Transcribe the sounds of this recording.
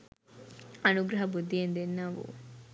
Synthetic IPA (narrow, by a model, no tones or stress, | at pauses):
ɐnuɡɾɐɦɐbud̪ʱːijend̪enaːʋṵ